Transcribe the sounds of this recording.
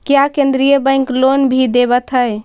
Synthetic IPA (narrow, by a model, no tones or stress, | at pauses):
kejakẽnd̪ɾijəbə̃ɪ̃ŋklonbʱid̪ebət̪ɦəj